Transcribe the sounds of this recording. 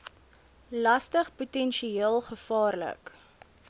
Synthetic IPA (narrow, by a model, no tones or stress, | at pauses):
lɐstəχputɛnʃieəlˠχəfɑːrlə̰k